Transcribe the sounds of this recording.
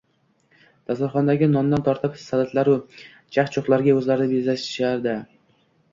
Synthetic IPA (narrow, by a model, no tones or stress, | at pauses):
d̪̥ʰasaɾχɒnd̪aɡʲɪnɒnd̪ant̪ʰɒɾt̪ʰɪpsad̪at̪ʰlaɾʊ | t͡ʃʰakt͡ʃʰoχlˠaɾɡʲaɵzlaɾɪnɪbezlaʃɪ̥ʃaɾd̪ɪ